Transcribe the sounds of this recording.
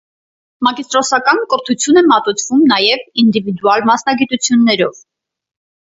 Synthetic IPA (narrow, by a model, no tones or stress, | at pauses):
mɑkist̪ɾɔsɑkɑnkəɾt̪ʰut͡sʰjunɛmɑt̪ut͡sʰv̥umnɑjɛvind̪ivid̪uɑlmɑsnɑɡit̪ut͡sʰjunːɛɾɔv̥